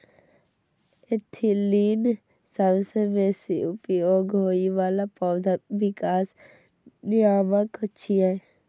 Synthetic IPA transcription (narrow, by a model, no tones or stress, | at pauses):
et̪ʰːiliːn | saʋseʋesiupioɡʱoːiʋaːlapɔwd̪ʱaʋɪkaːs | nijaːməkət͡ʃʃʰia